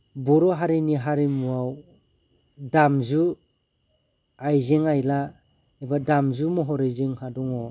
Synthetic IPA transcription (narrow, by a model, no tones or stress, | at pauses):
bɔɾɔɦaɾiniɦaɾimuaw | damzu | ajzeŋajla | ebadamzumɔɦɔɾezɯŋhadɔŋɔ